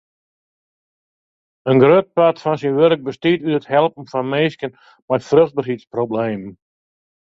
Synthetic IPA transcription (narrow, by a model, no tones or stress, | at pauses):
ənɡrøt̚patfɔnsinʋøɾk̚bəstiːtyəthɛlˠp̚n̩fɔnmeːskjən | mɛjfrøxd̚barɦitsprobleːm